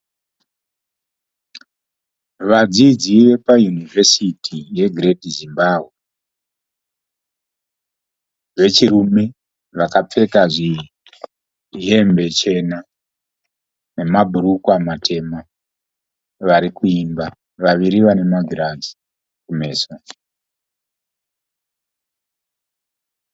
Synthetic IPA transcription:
ʋad͡zid͡ziʋe̞pajunive̞sitʰije̞ɡʱiredizimbaːbʱwe | ʋe̞t͡ʃirume̞ | ʋakap͡fe̞kaʐi | ɦe̞mbe̞t͡ʃe̞na | ne̞mabʱuɾukwamatʰe̞ma | ʋaɾikuimba | ʋaʋiɾiʋane̞maɡʱiɾazi̥ | kume̞ːso

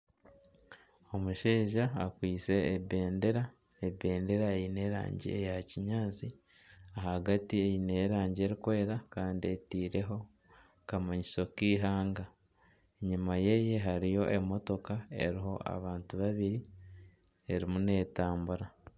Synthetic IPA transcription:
o̞muʃeːʒaːkwiːt͡se̞ːbe̞ːnde̞ɾa | ebe̞ːnde̞ɾaejine̞ɾa̰ːɲɟḭejaciɲaːt͡si | aɦaɡatiejine̞ːɾaːɲɟe̞ɾikwe̞ːɾakaːndietiːɾe̞ɦo̞ | kamaɲiso̞kiːɦaːŋɡa | eɲumaje̞je̞ɦaɾijo̞ʔe̞mo̞to̞kae̞̰ɾiɦo̞a̰βaːntuβaβiɾi | e̞ɾimune̞ːtaːmbuɾa

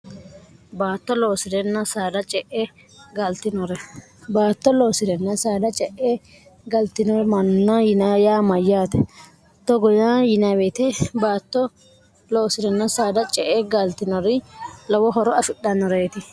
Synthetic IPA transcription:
baːt̪ːɔlo̞ːsɪd̪ɛnːɐsaːd̪ɐt͡ʃʼɛʔɛ | ɡɐlt̪ɪnɔɾɛ | baːt̪ːɔloːsɪd̪ɛnːɐsaːd̪ɐt͡ʃʼɛʔe | ɡɐlt̪ɪnɔɾɛmɐnːɐjɪnajaːmɐjːaːt̪ɛ | t̪ːɔɡɔjajɪnawet̪ɪbaːt̪ːɔ | loːsɪd̪ɛnːɐsaːd̪ɐt͡ʃʼɛʔeɡɐlt̪ɪnɔɾɪlɔwɔɦɔɾɔɐfɪɗːɐnːɔɾeːt̪ɪ

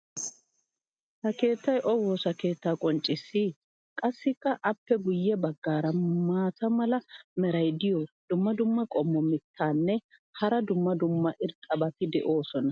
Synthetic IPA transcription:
hɐke̞ːt̪ːɐjʔɔwo̞ːsɐke̞ːt̪ːaːkʼɔnt͡ʃʼːɪsːɪ | kʼɐsːɪkːɐʔɐpːɛɡʊjːɛbɐɡːaːɾɐmaːt̪ɐmɐlɐmɛɾɐjd̪ɪjɔd̪̥ʊmːɐd̪ʊmːɐkʼɔmːɔmɪt̪ːaːnːɛ | hɐɾɐd̪ʊmːɐd̪ʊmːɐʔɪɾt̪ʼːɐbɐt̪ɪd̪ɛʔo̞ːsɔnɐ

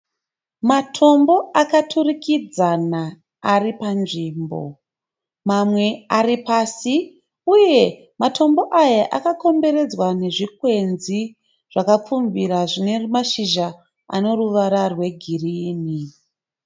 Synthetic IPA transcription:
matʰo̞mbo̞akatʰurikid͡zanaː | ripanʐiːmbo̞̰ | mamwe̞aripasi | uje̞ | matʰo̞mbo̞ʔajaʔakako̞mbe̞ɾe̞d͡zwane̞ʐikwe̞nzi | ʐ̥akap͡fumviɾaʐinerumaʃiʒa | a̰no̞ruʋaɾarwe̞ɡʱiriːni

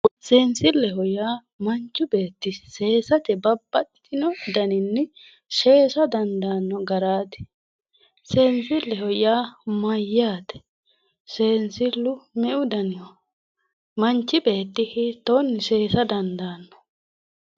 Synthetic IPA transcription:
seːnsɪlːɛɦɔjaː | mɐnt͡ʃːʊbe̞ːt̪ːɪse̞ːsɐt̪ɛbɐbːɐt̪ːɪnɔd̪ɐnɪnːɛ | ʃe̞ːsɐd̪ɐnd̪aːnːɔɡɐɾaːt̪ɪ̥ | seːnsɪlːɛɦɔjaːmɐjːaːt̪ɛ̥ | seːnsɪlːʊmɛʔʊd̪ɐnɪɔ | mɐnt͡ʃːɪbe̞ːt̪ːɪhɪt̪ːonːɪse̞ːsɐd̪ɐnd̪aːnːɔ̥

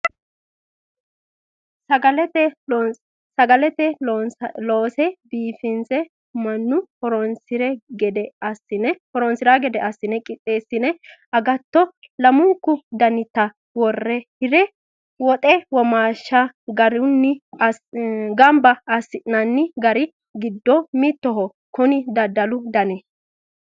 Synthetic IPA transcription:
ɐɡɐlɛt̪ɛ | sɐɡɐlɛt̪ɛ | loːsɛbiːfɪnsɛ | mɐnːʊhɔɾɔnsɪɾɛɡɛd̪ɛɐsɪnɛhɔɾɔnsɪɾaɡɛd̪ɛʔɐsːɪnɛkʼɪt̪ʼːe̞ːsɪnɛ | ɐɡɐt̪ːɔ | lɐmʊŋkːʊd̪ɐnɪt̪ːɐ | wɔrːɛhɪɾɛ | wɔt̪ʼɛwɔmaːʃːɐɡɐɾʊnːɪ | ɡɐmbɐɐsːɪnɐnːɪɡɐɾɪ | ɡɪd̪ːɔmɪt̪ːɔɦɔ | kʊnɪd̪ɐd̪ːɐlʊd̪ɐnɛ

